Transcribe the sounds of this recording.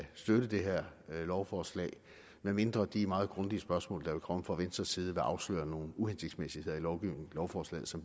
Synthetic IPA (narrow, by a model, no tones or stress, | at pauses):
sd̥øɾ̥əd̥e̝ɦeɐ̰lɒʊfɒːslɛ̰ːɪ | meme̝nd̥ʁɐd̥imɑ̈ːð̩ˠɡ̥ʁɔ̽nd̥iəsb̥ɶɐsmɔ̰̽ːld̥ɑ̈ʋe̝kʰɒ̽məfʁɑʋensd̥ʁɐsiːð̞ˠəʋæʔɑ̈ʊslø̰ːɐno̝ːn̩uhense̝ɡ̥̚d̥smesiheð̰ˠɐilɒʊɡ̥iʊ̰ne̝ŋlɒʊfɒːslɛ̰ːð̩ˠsɒ̽mb̥